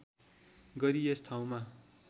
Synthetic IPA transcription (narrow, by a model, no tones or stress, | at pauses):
ɡʌɾiest̪ʰaw̃ma